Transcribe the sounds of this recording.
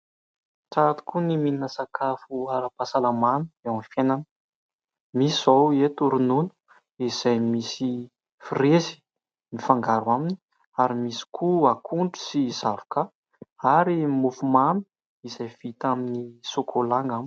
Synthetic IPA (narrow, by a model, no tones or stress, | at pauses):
ʈ͡ʂat̪i̥kunimininəsakʰafuaɾapasalamanəewamfjenanə | misizowet̪uɾununu̥ | iz̥ajmisi | firezi̥ | nifaŋɡaɾuamini̥ | aɾimisi̥kʰuakʰuɳʈ͡ʂu̥sizavḁka | aɾimufumami̥ | izajv̥it̪aminisokʰolaŋɡami̥